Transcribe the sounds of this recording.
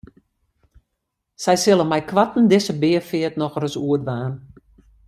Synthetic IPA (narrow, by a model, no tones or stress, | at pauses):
sɛjsɪlˠənmɛjkʰʋatn̩dɪsəbɪəfɪətnɔxrəsuətʋaːn